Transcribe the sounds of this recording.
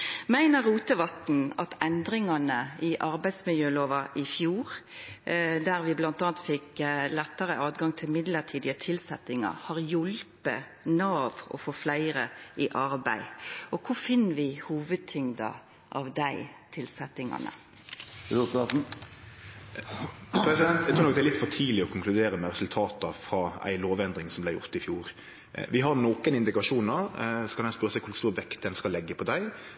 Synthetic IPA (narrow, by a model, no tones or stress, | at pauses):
mæɪnəɾːuːt̪əʋɑt̪n̩ɑt̪ɛnd̪ɾɪŋɑnəɪʔɑɾbæɪd̪smɪljøːloːʋɑʔɪfjuːɾ | d̪æɾʋɪblɑnt̪ɑːnt̪fɪklɛt̪ːəɾəʔɑːd̪ɡɑŋt̪ʰɪlmɪd̪ləʁt̪ʰiːd̪ɪət̪ʰɪlsɛt̪ɪŋɑ̰hɑʁjʊlpə | nɑːʋɔ̰foːflæɪɾəʔɪʔɑɾbæ̰ɪʔɔkʰʊfɪnːəʋɪhuːʋəd̪̚t̪ʰʏŋd̪ɑ̰ | ʔɑʋd̪æɪt̪ʰɪlsɛt̪ːɪŋɑ̰nə̰ | usɑt̪n̩ | pʰɾɛsɪd̪ɛnt̪æɪt̪ʰɾuːnɔk̚d̪æɾlɪt̪ːfɔt̪ʰiːlɪɔkʰʊŋkʰlʉd̪eːɾəmɛʁɛsʉlt̪ʰɑːt̪ɑfɾɑæ̰ɪloːʋɛnd̪ɾɪŋsɔmblæɪjʊ̰ɾt̪ɪfjuːɾ | ʋɪɦɑɾnoːkənɪnd̪ɪkɑʃuːnəɾsɔ̥kʰɑnæɪspœɾəsæɪkʰʊst̪uːɾʋɛkt̪̚d̪ɛnskɑlɛɡːəpʰɔd̪æɪ